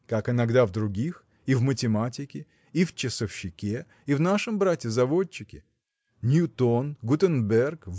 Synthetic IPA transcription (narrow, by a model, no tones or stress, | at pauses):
kakɪnɐɡd̪avd̪ɾʊɡʲix | ivmətʲɪmatʲɪkʲɪ | ift͡ɕɪsəfɕːɪkʲe | ivnaʂɨmbɾatʲɪzɐvo̞t͡ɕːɪkʲɪ̰ | nʲjʊt̪onɡʊt̪ənbʲɛrkv